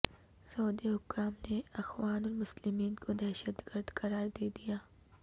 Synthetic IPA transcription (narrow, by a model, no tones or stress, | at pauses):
sɐoːd̪iɦʊkːaːmneɐxwaːnɔːɾmʊslɪmiːnkod̪ɛːʃəd̪ɡəɾd̪kɐɾaːɾd̪eːd̪ijaː